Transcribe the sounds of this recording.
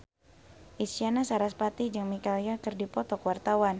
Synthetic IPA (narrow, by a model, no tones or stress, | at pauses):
ʔisianasaɾaspat̪id͡ʒɨŋmikaljakɨrdipɔt̪ɔkwart̪awan